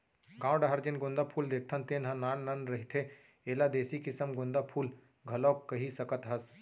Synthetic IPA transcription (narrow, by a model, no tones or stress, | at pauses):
ɡãːw̃ɖɐɦɐɾd͡ʒɪnɡʊ̃nd̪apʰuːld̪eːk̚ʰt̪ʰɐnt̪eːnɦɐnaːnːɐnɾɐɦit̪ʰe | eːlad̪eːsikɪsəmɡʊ̃nd̪apʰuːl | ɡʱɐloːkkːɐɦisɐkət̪ɦɐs